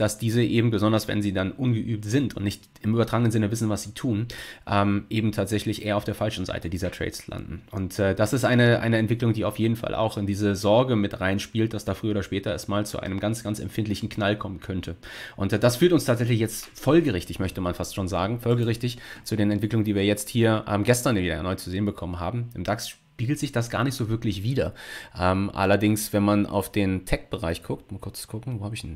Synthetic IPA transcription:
d̥asd̥iːzəʔeːbm̩bəzɔndɐsvɛ̰nziːdanʔʊnɡəʔyːp̚tz̥ɪntʊ̰ntnɪçt | ɪmyːbɐtʁ̥aːɡənənzɪnəvɪsn̩vasz̥iːtʰuːnʔɛːmʔeːbm̩tʰaːtz̥ɛçlɪçʔeːɐaʊfd̥eːɐfalʃn̩za̰ɪtədiːzɐtʁ̥ɛ̰ːsla̰ndn̩ʔʊntɛːd̥asɪstʔaɪnəʔa̰ɪnəɛntv̥ɪklʊŋdiːaʊfjeːdn̩fa̰lʔa̰ʊxɪndiːzəzɔɐɡəmɪtʁaɪnʃpiːlt̚d̥asd̥aːfʁ̥yːəːdɐʃpɛːtɐɛ̰stmaːlt͡sṵʔa̰ɪnəmɡansɡ̥ansɛ̰mfɪntlɪçn̩kʰnalkʰɔmənkʰœntʰə | ʔʊntd̥asfyːɐtʊnstʰaːtz̥ɛç̬lɪç̬jɛt͡stfɔlɡəʁɪçtɪçmœçtəmanfastʃoːnzaːɡŋ̩fɔlɡəʁɪçtɪçt͡sudeːnɛntv̥ɪklʊŋəndiːviːɐjɛt͡sthiːɐʔɛ̰ːmɡɛstɐnjviːdɐja̰ːnɔʏt͡suzeːənbəkʰɔmənɦa̰ːbm̩ɪmdaksʃ | piːɡl̩tz̥ɪçd̥asɡ̥a̰ːɐnɪçtz̥oːvɪɐklɪçv̥iːdɐʔɛːmʔa̰lɐdɪŋsv̥ɛnmana̰ʊfd̥eːntʰɛk̚b̥əʁaɪçɡ̥ʊktmakʰʊɐt͡sɡ̥ʊkŋ̩voːhaːbəɪçn̩

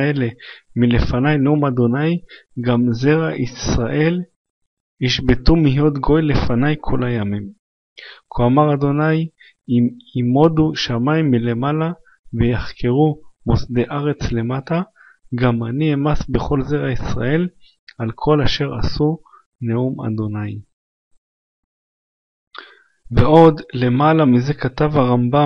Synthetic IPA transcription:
ele̞mile̞fanajneumad̪o̞najɡamze̞ʁaʔisʁaʔe̞l | iʃbetumihjo̞t̪ɡo̞jle̞fanajkʰolajamim | kʰoamaʁad̪o̞naj | imo̞duʃamaimːile̞mala | vejaχkʰeʁumosde̞ʔaʁe̞t͡sle̞mata | ɡamaniemasbe̞χo̞lzeʁaisʁae̞l | alkʰo̞laʃe̞ʁa̰su | neuma̰d̪o̞naj | veʔo̞dle̞malamize̞katavhaʁamba

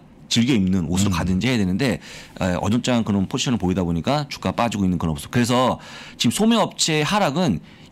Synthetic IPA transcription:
t͡ɕiɭɡjʌimnɯnosʰɯɾokadɯnd͡ʑiɦe̞jadwenɯnde̞eʔʌ̰d͡ʑʌt͡ɕ͈ankɯɾʌnpʰod͡ʑʰi̥ɕʰʌnɯɭpoidaboɲik͈at͡ɕu̥k͈ap͈ad͡ʑiɡoinːɯnkɯɾʌnposʰʌ̥kɯɾe̞s̬ʰʌt͡ɕimsʰomeʌp̚t͡ɕʰeɦaɾaɡɯn

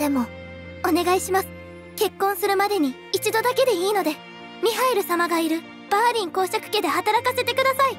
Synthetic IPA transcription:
d̪̥e̞mo̞ | one̞ɡaiɕimasɨ̥ | ke̞kːõɰ̃sɨɾɯ̟mad̪e̞ɲ̟i | it͡ɕid̪o̞d̪ake̞d̪e̞iːno̞d̪e̞ | mʲiɦaeɾɯ̟samaɡaiɾɯ̟ | b̥aːɾʲĩŋko̞ːɕakɯ̟̥ke̞d̪e̞hat̪aɾakase̞t̪e̞kɯ̟d̪asai

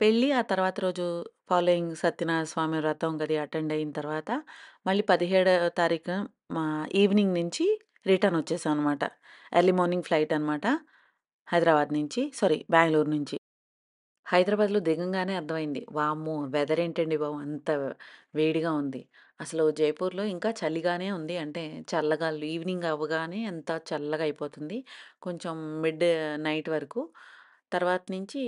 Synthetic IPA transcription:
pe̞ɭːiaːt̪ɐɾuʋaːt̪ɐɾo̞ːd͡ʒupʰaːloːiŋɡsɐt̪ːjinasʋaːmiɾɐt̪ɐuŋkɐd̪iɐʈeɳɖɐjint̪ɐɾʋaːt̪ɐmɐɭːipɐd̪iɦeːɽut̪aːɾiːkʰɐ | iːʋniŋɡnuɲt͡ʃi | ɾiʈɐɾnʋɐt͡ʃːɛːsaːɐnːɐmaːʈɐ̰ | eɾlːimoːniŋɡpʰlɐjʈɐnɐmaːʈɐ | hɐjd̪ɾaːbaːd̪nuɲt͡ʃisɐɾḭbʲaːŋɡloːɾnuɲt͡ʃi | hɐjd̪ɾaːbaːd̪loːd̪iɡɐŋɡaːne̞ːɐɾd̪ʱɐmɐjind̪ḭʋaːmuʋɛd̪ɐɾe̞ːɳʈeɳɖiʋaːmuɐnt̪ɐʋeːɽiɡaːund̪i | ɐsɐlud͡ʒɐjpuːɾloːiŋkaːt͡ʃɐliɡaːne̞ːund̪iɐɳʈe̞ːt͡ʃɐlːɐɡaːluiːʋniŋɡɐʋːɐɡaːne̞ːɐnt̪ɐt͡ʃɐlːɐɡɐjpo̞ːt̪und̪iko̞ɲt͡ʃemːiɖnɐjʈʋɐɾɐku | t̪ɐɾʋaːt̪ɐnuɲt͡ʃi

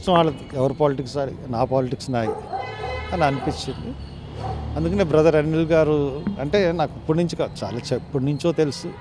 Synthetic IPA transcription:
t̪ɐmaːɭɐd̪iɛʋɐɾupaːliʈiksaːɾḭnaːpaːliʈiksnaːji | ɐniɐnipiɲt͡ʃːind̪i | ɐnd̪ukɐneːbɾɐd̪ɐɾɐnːilɡaːɾuɐɳʈe̞ːnaːkipːuɽnuɲt͡ʃikaːd̪ut͡ʃa̰ːlaːt͡ʃepːuɽnuɲt͡ʃo̞ːt̪e̞lusu

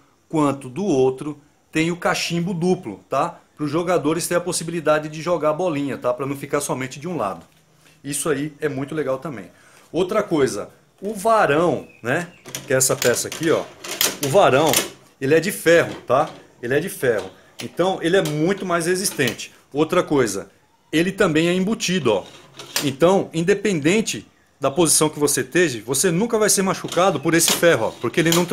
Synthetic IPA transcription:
kwɐ̃nt̪ʊd̪ʊowt̪ɾʊ | t̪ẽj̃ʊkaʃĩmbʊd̪uplʊ̰t̪apɾʊzʒoɡad̪oɾɪst̪ẽj̃ɐposibilid̪ad͡ʒɪd͡ʒɪʒoɡaɾbɔlĩɲɐt̪apɾɐnɐ̃w̃fikaɾsɔmẽnt͡ʃɪd͡ʒɪũla̰d̪ʊ | isʊaiɛmũj̃t̪ʊleɡawt̪ɐ̃mbẽj̃ | owt̪ɾɐkojzɐ̰ | ʊvaɾɐ̃w̃nɛkɪɛsɐpɛsɐakiɔ̰ʊvaɾɐ̃w̃ | elɪɛd͡ʒɪfɛɦʊt̪a | elɪɛd͡ʒɪfɛhʊ | ẽnt̪ɐ̃w̃ʔelɪɛmũj̃t̪ʊmajzhezist̪ẽt͡ʃɪ̥ | owt̪ɾɐkojzɐ̰ | elɪt̪ɐ̃bẽj̃ɛĩbut͡ʃid̪ʊɔ̰ẽnt̪ɐ̃w̃ĩnd̪epẽnd̪ẽnt͡ʃɪ | d̪ɐpozisɐ̃w̃kɪvoset̪evɪvosenũkɐvajseɾmaʃukad̪ʊpoɾesɪfɛɦʊɔ̰poɾkeelɪnɐ̃w̃

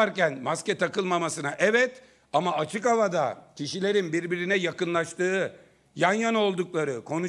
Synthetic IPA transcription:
aɾcænmascɛt̪ʰakɯlˠmamasɯnaʔɛvɛt̪ | amaat͡ʃʰɯkavad̪acʰiʃilʲe̞ɾinbiɾbiɾinɛjakɯnlˠaʃt̪ʰɯː | janjano̞lˠd̪uklˠaɾɯkʰo̞nu

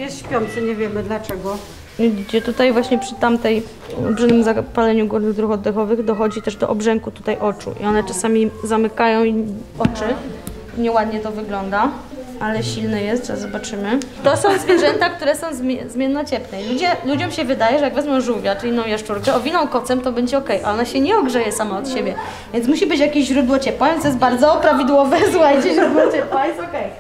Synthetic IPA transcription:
jɛsɕpʲjɔnt̪sɛɲɛvʲjɛmɘd̪lat͡ʂɛɡɔ | ɡd͡ʑɛt̪ut̪ajvwaɕɲɛpʂɘt̪amt̪ɛj̰ | lbʐɘnɘmzapalɛɲuɡuɾnɘɣd̪ɾuxɔd̪ːɛxɔvɘɣd̪ɔxɔd͡ʑit̪ɛʐd̪ɔ̰ʔɔbʐɛŋkut̪u̥t̪ajʔɔt͡ʂṵʔḭɔnɛt͡ʂasamʲizamɘkajɔ̃w̃i | ɔt͡ʂɘ | ɲɛwad̪ɲɛt̪ɔvɘɡlɔnd̪a | alɛɕilnɛjɛst̪ʐɛ̰zɔbat͡ʂɘmɘt̪ɔsɔ̃w̃zvʲjɛʐɛnt̪akt̪uɾɛsɔ̃w̃zzmʲjɛnːɔt͡ɕɛpnɛilud͡ʑɛlud͡ʑɔmɕɛvɘd̪ajɛʐɛjaɡvɛzmjɔ̃w̃ʐuvʲjaʈ͡ʂʲinːɔ̃w̃jaʂt͡ʂuɾkɛɔvʲinɔ̃w̃kɔt̪sɛmt̪ɔbɛɲd͡ʑɛɔkɛjʔa̰ɔnaɕɛɲɛɔɡʐɛjɛsamaɔt̪ɕebʲjɛ | vʲjɛnsmuɕibɘt͡ɕjakʲiɕʑɾud̪wɔt͡ɕɛpwavʲjɛnst̪ɔjɛt̪baɾd̪zɔpɾavʲid̪wɔvɛsuxajt͡ɕɛʑɾud̪wɔt͡ɕɛpwwajɛsɔkɛj

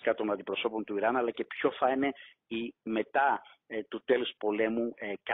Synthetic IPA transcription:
kɐt̪o̞nɐnd̪ipɾo̞so̞po̞nt̪uiɾɐnɐlɐce̞pço̞fɐne | ime̞t̪ɐt̪ut̪e̞luspo̞le̞mukɐ

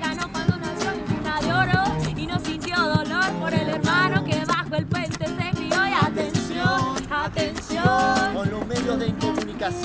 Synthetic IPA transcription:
ɣanokwand̪onasjoimpunaðjoɾoinosint̪joðoloɾpoɾeleɾmanokeβaxoelpwent̪esekɾioiat̪ensjonat̪ensjomolomeðjoðeiŋkomunikas

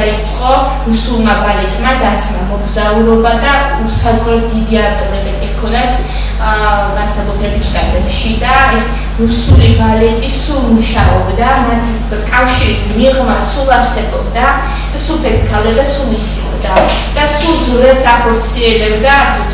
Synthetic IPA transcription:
ait̪sʼqʼɔ | ɾusulˠmabalɛt̪ʼmad̪at̪sʰmamɔɡzauɾɔbad̪a | usazʁɾɔt̪̚ʰd̪id̪iaft̪ʼɔmɛt̪ʼɛtikʰɔnat̪ʰ | ɡansakʼut̪ʰɾɛbit̪ʰɡ̪ad̪ɛbʃid̪aɛs | ɾusulibalɛt̪ʼisulˠmuʃaɔbd̪amat̪ʰist̪ʰkʰwat̪ʰkʼafʃiɾismiʁmasulˠaɾsɛbɔbd̪a | supʰɛt̪ʰkʰald̪ad̪asulˠisiɔ̰bd̪a | d̪̥asulˠd̪zlɛpsaχɔɾt̪sʰiɛlɛbd̪as

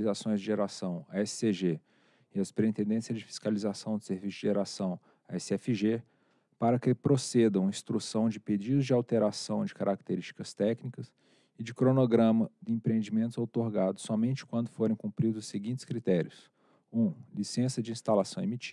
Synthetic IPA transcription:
lizasõj̃zd͡ʒɪʒeɾasɐ̃w̃ɐɛsseʒe | ɪɐspɾeĩt̪ẽnd̪ẽsiɐzd͡ʒɪfi̥skalizasɐ̃w̃d̪ʊseɾvisʊ̥zd͡ʒɪʒeɾasɐ̃w̃ | aɛsɪɛfiʒe | paɾɐkɪpɾosed̪ɐ̃w̃ĩst̪ɾusɐ̃w̃d͡ʒɪped͡ʒid̪ʊzd͡ʒɪawt̪eɾasɐ̃w̃d͡ʒɪkaɾak̚t̪eɾisʃt͡ʃi̥kɐst̪ɛknikɐs | ɪd͡ʒɪkɾonoɡɾɐ̃mɐd͡ʒ̪ɪẽpɾẽẽnd͡ʒimẽnt̪ʊzawt̪oɾɡad̪ʊsːɔmẽnt͡ʃɪ̥kwɐ̃nd̪ʊfoɾẽj̃kũmpɾid̪ʊzʊseɡĩnt͡ʃ̪ɪ̥skɾit̪ɛɾiʊs | ũlisẽsɐd͡ʒɪĩst̪alasɐ̃w̃emit͡ʃ

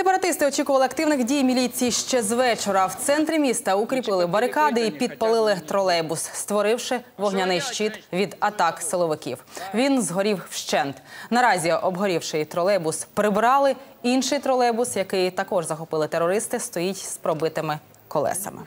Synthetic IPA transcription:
sepɐɾɐt̪ɪst̪ɪɔt͡ʃikʊʋɐlˠɪɐk̚t̪ɪwnɪxdʲijmʲilʲit͡sʲijiʃt͡ʃɛzʋɛt͡ʃɔɾɐwt̪sɛnt̪ɾɪmʲist̪ɐukɾʲipɪlˠɪbɐɾɪkɑd̪ɪipʲid̪̚pɐlˠɪlˠɪt̪ɾɔlˠɛbʊsst̪ʋɔɾɪwʃɪʋɔɦnʲɐnɪjʃt͡ʃit̪ʋʲid̪ɐt̪ɑksɪlˠɔʋɪkʲḭwʋʲinzɦɔɾʲiwʃt͡ʃɛnt̪nɐɾɑzʲiɔbɦɔɾʲiwʃɪjt̪ɾɔlˠɛbʊspɾɪbɾɑlˠɪ | inʃɪjt̪ɾɔlˠɛbʊsjɐkɪjt̪ɐkɔʒzɐxɔpɪlˠɪt̪eɾːɔɾɪst̪ɪst̪ɔjitʲspɾɔbɪt̪ɪmɪ | kɔlˠɛ̰sɐ̰mɪ̰

